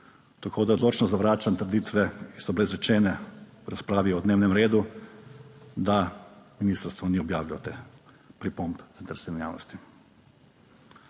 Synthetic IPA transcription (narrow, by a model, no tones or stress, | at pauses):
t̪akʰod̪ad̪lot͡ʃnɔzaʋɾaːt͡ʃant̪ɾed̪iːt̪ʋɛisɔblezɾɛt͡ʃɛːnɛpɾaspɾaːʋiod̪neːwnɛmɾeːd̪u | d̪aminist̪aɾst̪ʋɔnɛɔbjaːʋʎat̪e | pɾipombzant̪əɾsɛnnʲja̰ːnɔ̰st̪i